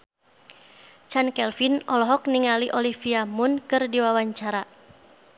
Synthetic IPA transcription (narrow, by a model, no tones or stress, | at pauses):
t͡ʃankɛlfinɔlɔɦɔk̚niŋaliʔɔlifiamʊnkɨrdiwawaɲt͡ʃaɾa